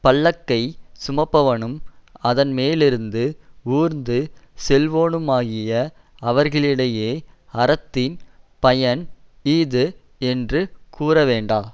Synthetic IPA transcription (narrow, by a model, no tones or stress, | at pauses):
pɐɭːɐkːɐɪsʊmɐpːɐʋɐɳɯmɐðɐnmeːlɪɾɯnd̪ɯuːɾnd̪ɯsɛlʋoːnɯmaːɣɪjɐ | ɐʋɐɾɣɐɭɪɽɐjeːɐɾɐt̪ːɪnpɐjɐniːðɯ | ɛndrɯkuːɾɐʋeːɳɖaː